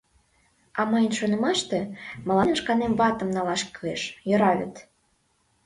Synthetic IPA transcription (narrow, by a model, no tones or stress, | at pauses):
ɑməjənʃonə̆mɑʃt̪emə̆lɑnənʃkɑnemvɑt̪ə̆mnɑlɑʃkyeʃjøɾɑβʲə̰t̪